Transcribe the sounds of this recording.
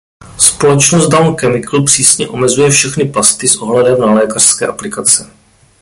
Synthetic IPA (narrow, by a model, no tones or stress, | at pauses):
spo̞lɛt͡ʃnost̪̚dawnkɛmɪkl̩pr̥iːsɲɛʔo̞mɛzujɛfʃɛxnɪpast̪ɪsʔo̞ɦlɛdɛmnalɛːkar̥skɛ̰ːʔaplɪkat͡sɛ